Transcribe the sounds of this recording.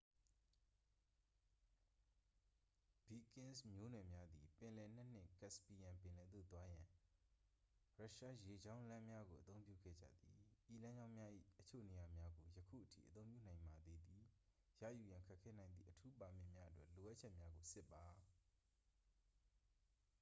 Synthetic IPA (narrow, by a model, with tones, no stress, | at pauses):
b̥i˨kɪ̃˦nsmjo̰˦˨nɛ˨mja˦d̪i˨pɪ̃˨lɛ˨n̥ɛ˦n̥ɪ̰̃˦kɛ˦˨spi˨jã˨mpɪ̃˨lɛ˨d̪o̰˦˨t̪wa˦jã˨ | ɹa˦˨ʃa˦je˨d͡ʑã˦ʊ̃lã˦mja˦ɡo˨ʔət̪õ˦ʊ̃mpjṵ˦˨ɡɛ̰˦˨d͡ʑä̰˦˨d̪ði˨ʔi˦˨lã˦ɲd͡ʑã˦ʊ̃mja˦ʔḭ˦˨ʔət͡ɕʰo̰˦˨ne˨ja˨mja˦ɡo˨jəkʰṵ˦˨ʔətʰḭ˦˨ʔət̪õ˦ʊ̃pjṵ˦˨nã˨ɪ̃mba˨d̪e˨d̪ði˨ | jä̰˦˨ju˨jã˨ŋkʰɛ˦kʰːɛ˦nã˨ɪ̃nd̪ðḭ˦˨ʔətʰu˦pa˨mɪ̰̃˦˨mja˦ʔətwɛ̰˦˨ʔlo˨ʔa˦ʔt͡ɕʰɛ˦ʔmja˦ɡo˨sɪ˦pːa˨